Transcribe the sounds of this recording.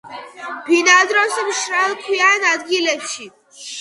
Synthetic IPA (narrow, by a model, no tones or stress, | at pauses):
bʱinad̪ɾɔsəmʃɾalkʰujanad̪ɡilɛt͡ʃʰi